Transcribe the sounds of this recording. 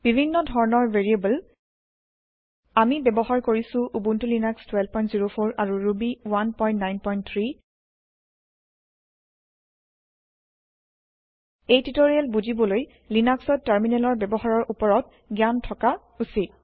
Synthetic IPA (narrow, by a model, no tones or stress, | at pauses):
b̥ibʱinːɔdʱɔɹnɔɹveɹiebəl | amibɛbɔhaɹkoɹisʊ̃ʔubuntulinakstwɛlb̚pɔjntz̥iɹopʰoɹʔaɹuɹubiwanpɔjntnajnpɔjntt̪ʰɹi | ejtitoɹialbuzibɔloj | linaksɔtːaɹminɛlɔɹbɛbɔhaɹɔɹʔupɔɹɔt̚ | ɡjantʰɔka | usit̚